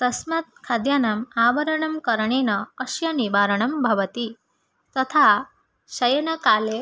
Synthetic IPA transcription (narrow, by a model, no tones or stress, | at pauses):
t̪ɐsmɐt̪̚kʰad̪jaːnɐmaːʋɐɾɐɳɐmkɐɾɐɳeːnɐːʃjɐnibaːɾɐɳ̃ɐmbʱɐʋɐt̪i | t̪ɐt̪ʰa | ɕɐjɐnɐkaːle